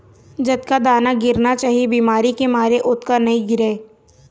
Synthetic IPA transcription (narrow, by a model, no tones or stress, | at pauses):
d͡ʒɐd̪kad̪aːnaɡɪɾnat͡ʃaːɦiebiːmaːɾikemaːɾeʔʊt̪kanɐɦĩɡɪɾeː